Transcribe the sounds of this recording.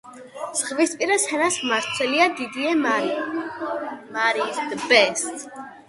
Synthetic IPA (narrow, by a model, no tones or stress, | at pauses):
z̥ʁvispʼiɾasɛnasmaɾt̪sʰwɛliad̪id̪iɛmaɾ | maɾid̪bɛst̪ʰʼ